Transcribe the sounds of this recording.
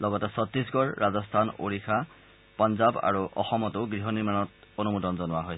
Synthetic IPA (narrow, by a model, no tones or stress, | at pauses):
lɔɡɔtɛsɔtɹisɡɔɹːazɔstʰano̰ɹixʰa | pɔnzaba̰ɹuʔɔ̰xɔmɔtʊɡɹiɦɔniɹmanɔtonumutɔnzɔnʊwaɦɔj